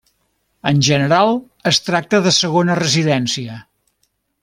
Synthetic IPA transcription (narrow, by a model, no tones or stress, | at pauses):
ənʲʒənəɾalˠ | əst̪ɾak̚t̪əðəsəɣ̞onərəziðɛnsiə